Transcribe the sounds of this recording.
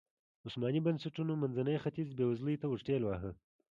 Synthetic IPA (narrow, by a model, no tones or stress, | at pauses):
ʊsmɑnibɐnsaʈunomanzanəjxat̪izbewazləjt̪awʊʂʈelwɑɦə